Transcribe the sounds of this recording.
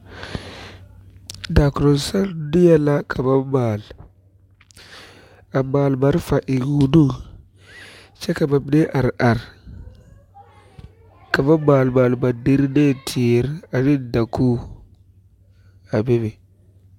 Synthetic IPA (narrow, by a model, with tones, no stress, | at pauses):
da˨ku˨ɾo˨sa˦ɾdi˦ja˦la˦kʰa˨ba˦ba˨l | a˨ma˨lba˨ɾfa˨ʔi˨ɡu˨du˦ | t͡ʃe˦ka˨ba˨bde˦ʔa˨ɾa˨ɾ | ka˨ba˦ba˨lba˨lba˨di˦ɾne˦˨tʰi˨ɾa˨ɾi˦˨da˨ku˦ | a˨be˦be˨